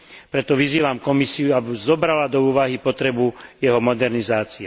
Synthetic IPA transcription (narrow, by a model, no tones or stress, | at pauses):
pɾɛt̪ɔʋiziːʋamkɔmisiuabizɔbɾalad̪ɔuːʋaɦipɔt̪ɾɛbujɛɦɔmɔd̪ɛɾnizaːt͡sia